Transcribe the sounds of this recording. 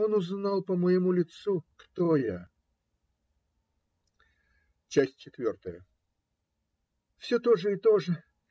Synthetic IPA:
onʊznɑlˠpəməjɪmulʲɪt̪sukt̪oja | t͡ɕæsʲtʲt͡ɕɪt̪vʲo̞rt̪əjə | fsʲɵt̪o̞ʐəɪt̪o̞ʐə

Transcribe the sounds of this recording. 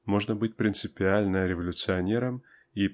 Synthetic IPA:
mo̞ʐnəbɨt̚ʲpɾʲɪnt̪sɨpʲɪalʲnəɾʲɪvɐlʲʊt̪sɨɐnʲe̞ɾəm | i

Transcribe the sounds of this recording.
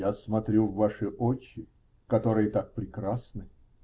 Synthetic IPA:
jasmɐt̪ɾʲuvːaʂɨʔot͡ɕːɪ | kɐt̪o̞ɾɨjət̪ak̚pɾʲɪkɾasnɨ

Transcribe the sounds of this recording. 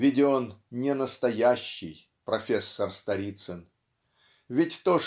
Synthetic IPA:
vʲɪdʲɪonnʲɪnəst̪ɐjæɕːɪj | pɾɐfʲesːərst̪ɐɾʲit̪sən | vʲɪtʲt̪oʂ

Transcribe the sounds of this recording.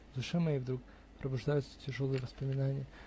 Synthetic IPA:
d̪ʊʂɨmɐjivd̪ɾuk̚ | pɾəbʊʐd̪ajʊt̪sə̥tʲɪʐolˠɨjəvəspəmʲɪnanʲɪjə

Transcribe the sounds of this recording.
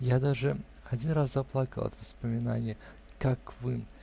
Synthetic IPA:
jad̪aʐɨ | ɐd͡zʲinɾaszɐplˠakə̰lˠɐ̰t̪vəspəmʲɪna̰nʲɪjə | kakvɨ

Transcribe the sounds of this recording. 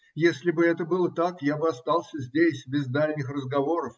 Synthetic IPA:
jesʲlʲɪbɨɛt̪əbɨlˠət̪akjabɨɐst̪ɑlˠsʲəzʲdʲesʲbʲɪzd̪alʲnʲɪxrəzɡɐvo̞ɾəf

